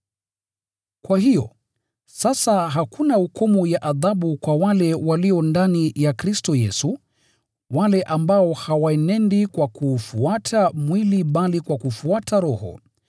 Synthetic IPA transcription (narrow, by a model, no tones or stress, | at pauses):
kwaɦijɔ | sasaɦakunaukʰɔmujaʔaðaɓukwawalɛwaliɔndanijakɾistɔjɛsu | walɛʔambaɔhawaɛnɛndikwakuːfuatʰamwiliɓalikwakufuatʰaɾɔhɔ̰